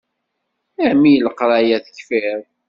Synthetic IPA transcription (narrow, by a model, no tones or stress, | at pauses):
æmijələqɾˤajæθə̥çfɪɾ